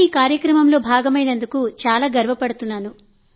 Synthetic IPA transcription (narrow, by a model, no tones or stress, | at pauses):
iːkaːɾjɐkɾɐmɐmlo̞ːbʱaːɡɐmɐjnɐnd̪ukut͡ʃaːlaːɡɐɾʋɐpɐɽut̪unːaːnu